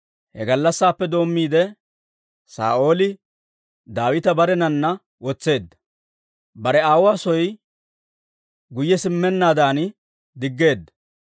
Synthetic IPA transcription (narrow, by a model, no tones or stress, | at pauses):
hɛɡɐlːɐsːaːpːɛd̪o̞ːmːiːd̪ɛ | sa̰ːʔo̞ːlɪ | d̪aːwɪt̪ɐbɐɾɛnɐnːɐ | wɔt͡sːe̞ːd̪ːɐ̥ | bɐɾɛaːwaːsɔj | ɡʊjːɛsɪmːɛnːaːd̪aːn | d̪ɪɡːe̞ːd̪ːɐ̥